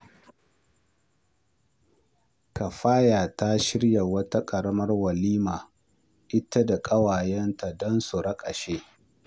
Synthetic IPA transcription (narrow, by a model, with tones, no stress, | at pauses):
ka˨ɸaː˦jaː˨ta˦ʃɪ˦ɽja˨wɐ˦ta˦kʼɐ˨ɽɐ˦mɐ˦rwɐ˨liː˦maː˨ | ʔɪ˦ta˦da˨kʼɐ˦waː˨jɛ˦nta˨dɔ˦nsu˨ɾɐ˦kʼɐ˨ʃe˦